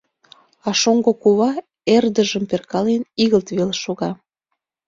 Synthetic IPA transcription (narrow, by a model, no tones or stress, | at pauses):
ɑʃoŋɡokuβɑ | erd̪əʒə̆mperkɑleniɣəlt̪βelʃoɣɑ